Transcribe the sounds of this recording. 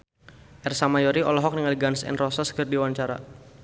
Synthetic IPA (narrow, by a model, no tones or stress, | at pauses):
ʔɛrsamajɔɾiɔlɔɦɔk̚niŋaliɡansɛ̰nrɔsaskərdiwaɲt͡ʃaɾa̰